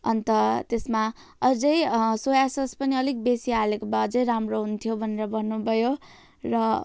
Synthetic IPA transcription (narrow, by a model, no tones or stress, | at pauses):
ʌnt̪ʌt̪esma | ʌd͡zʌjsojasʌspʌniʌlik̚besialekobaʌd͡zʌjɾamroɦunt̪ʰijobʱʌneɾʌbʱʌnːubʱʌjo | rʌ